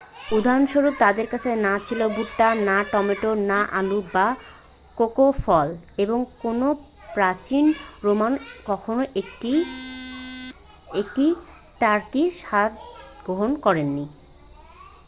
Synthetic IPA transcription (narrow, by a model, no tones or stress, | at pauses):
ud̪ʱaɾonʃoɾuk̚t̪ad̪eɾkat͡ɕʰenat͡ɕʰilobuʈːanaʈɔmeʈonaʔaluba | kokofɔleboŋkono | pɾat͡ɕinɾomankɔkʰonoʔeʈi | ekʈi | ʈaɾkiʃat̪ɡɾoɦonkɔɾenːi